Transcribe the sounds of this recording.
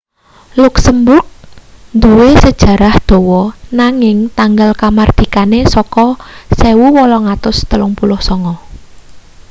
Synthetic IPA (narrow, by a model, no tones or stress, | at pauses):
lʊksəmbʊrk̚nd̪uwesəd̥ʒ̥a̤ɾahd̪̥o̤wɔnaŋɪŋt̪aŋɡalkamard̪̥i̤kanesɔkɔsewuwɔlɔŋat̪ʊst̪əlʊŋpulʊhsɔŋɔ